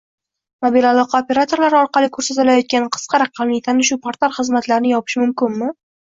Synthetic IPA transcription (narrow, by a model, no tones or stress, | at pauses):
mobilalˠɒqʰɑopʲe̞ɾat̪ʰo̞ɾlaɾɒɾqʰɑlɪkʰɵɾsat̪ɪlajɒt̪̚kʲanqʰɨ̥sqʰɑɾɑqʰɑmlɪjt̪ʰanɪʃʊpʰaɾt̪ʰaɾχɨzmat̪laɾɪnɪjɒpʰɪ̥ʃmʊmkʲɪnmɪ